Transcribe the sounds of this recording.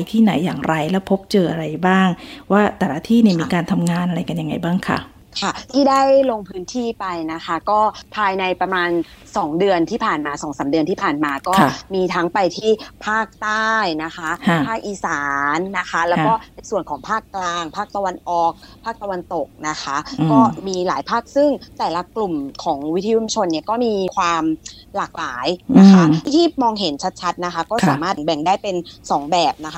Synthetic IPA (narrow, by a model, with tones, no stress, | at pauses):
jt̪ʰiː˥˩na˩˦jːaː˨˩ŋɾa˧jlɛː˦˥wpʰo˦˥p̚t͡ɕɤː˧ʔa˧ɾa˧jbaː˥˩ŋwaː˥˩t̪ɛː˨˩la˦˧˥t̪ʰiː˥˩niː˥˩miː˧kaː˧nt̪ʰa˧mŋaː˧nʔa˧ɾa˧jka˧nja˧ŋa˧jbaː˥˩ŋkʰa̰˦˥˩ | kʰa˥˩t̪ʰiː˥˩daː˥˩jlo˧ŋpʰɯː˦˥nt̪ʰiː˥˩pa˧jna˦˥kʰa˦˥kɔː˥˩pʰaː˧jna˧jpɾa˧maː˧n | sɔː˩˦ŋdɯ˧ənt̪ʰiː˥˩pʰaː˨˩nmaː˧sɔː˩˦ŋsaː˩˦mdɯ˧nʰiː˥˩pʰaː˨˩nmaː˧kɔː˥˩miː˧t̪ʰa˦˥ŋpa˧jt̪ʰiː˥˩pʰaː˥˩k̚t̪aː˥˩jna˦˥kʰa˦˥kʰa˥˩pʰaː˥˩k̚ʔiː˧saː˩˦nːa˦˥kʰa˦˥lɛː˦wkɔː˥˩na˧jsu˨˩ənkʰɔː˩˦ŋpʰaː˥˩kːlaː˧ŋpʰaː˥˩k̚t̪a˧wa˧nʔɔː˨˩k̚pʰaː˥˩k̚t̪a˧wa˧nt̪o˨˩k̚na˦˥kʰa˦˥kɔː˥˩miː˧laː˩˦jpʰaː˥˩k̚sɯ˥˩ŋt̪ɛː˨˩la˦klu˨˩mkʰɔː˩˦ŋwi˦˥t̪ʰːi˧u˧mt͡ɕʰo˧nːi˥˩ɐkɔː˥˩miː˧kʰwaː˧m | laː˨˩k̚laː˩˦jna˦˥kʰa˦˥˩iː˥˩mɔː˧ŋɦe˩˦nt͡ɕʰa˦˥t̪̚t͡ɕʰa˦˥t̪̚na˦˥xʰa˦˥kɔː˥˩saː˨˩˦maː˥˩bɛ˨˩ŋdaː˥˩jpe˧nsɔː˩˦ŋbɛː˨˩p̚na˦˥kʰa˥